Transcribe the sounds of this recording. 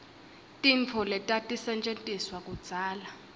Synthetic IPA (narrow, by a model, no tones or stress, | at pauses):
tʼint͡fʰɔlɛtʼatʼisɛnt͡ʃʼentʼiswakʼud̥z̥ʱaːla